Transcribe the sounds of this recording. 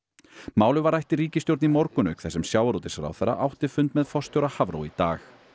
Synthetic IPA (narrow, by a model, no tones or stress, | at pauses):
maːwlʏvaɾajht̪ɪɾiːcɪst̪jowɾt̪nimɔɾkʏnœɥkθɛsːɛmsjaːwaɾuːt̪ɪsɾa̰wθɛɾːa̰ʔawht̪ɪfʏnt̪mɛðfɔr̥st̪jowɾahavɾo̰wit̪aːx